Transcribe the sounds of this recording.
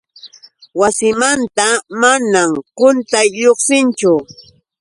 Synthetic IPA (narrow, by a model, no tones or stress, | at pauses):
wasɪmant̪amanamkʊnt̪ajʎoχsɪnt͡ʃʊ